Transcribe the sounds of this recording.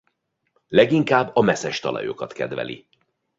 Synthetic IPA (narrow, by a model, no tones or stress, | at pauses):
lɛɡiŋkaːbːɒmɛsɛʃt̪ɒlɒ̰jo̞kɒt̪kɛd̪vɛ̰lḭ